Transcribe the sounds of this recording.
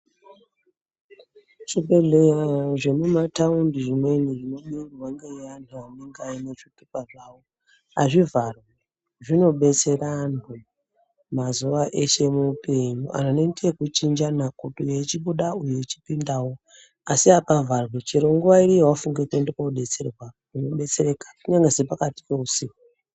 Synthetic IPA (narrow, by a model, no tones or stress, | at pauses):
t͡ʃibeɮejaʐe̞mumataundiʐimwe̞niʐino̞ɓurirwaŋɡeantʰuaneŋɡainet͡ʂitupaʐaːwo | aʐivarwa | ʐino̞ɓe̞t͡se̞ranu | mazuʋaʔe̞ʃe̞mupe̞ɲuʔa̰nanendekut͡ʃind͡ʒanakutujeit͡ʃiɓuɗaujeit͡ʃipindawo̞ | asiapavʱarwet͡ʃeɾoŋɡuwaiɾijwafuŋɡekendekauɗe̞t͡serwakuno̞ɓe̞t͡seɾe̞kḁkuɲaŋɡesepakati̥pe̞usiːku